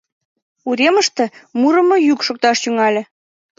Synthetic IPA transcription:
uɾʲeməʃt̪ĕmuɾə̆mŏjykʃok̚t̪ɑʃt̪yŋɑlʲĕ

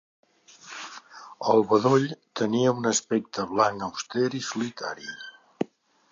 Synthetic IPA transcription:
əlˠβəðoʎt̪əniəunəspɛk̚t̪ʰəβlaŋəwst̪ɛɾisulit̪a̰ɾi

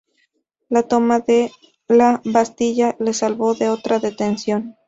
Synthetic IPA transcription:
lat̪o̞maðe | laβast̪iʝale̞salβo̞ðe̞o̞t̪ɾaðe̞t̪ensjo̞n

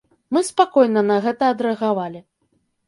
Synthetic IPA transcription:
mɨspakɔjnɐnɐɣɛt̪ɐːd̪ɾɛɐɣavalʲi

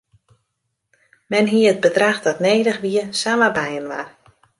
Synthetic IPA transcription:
mɛnɦiəət̚bədraxdɔtneːdəxʋiəsaːmabɛjənʋa̰r

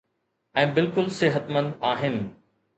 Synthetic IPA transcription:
ɛ̃ːbɪlkʊlsɪɦət̪mə̃nd̪aːɦɪnɪ̆

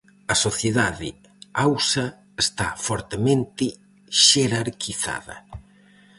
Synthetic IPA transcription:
ɐsoθjeðaðɪ̰ | awsɐ | est̪a̰fɔɾt̪emẽnt̪ɪ | ʃeɾaɾkiθa̰ðɐ̰

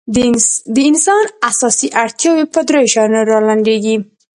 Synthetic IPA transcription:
d̪əɪnsɑnasɑsiʔaɽt̪jɑwepəd̪ɾajʃɑjnoɾɑlaɳɖ̪eɡi

